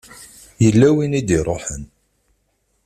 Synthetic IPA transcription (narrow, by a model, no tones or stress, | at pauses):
jəlːæwinid̪iɾˤoħən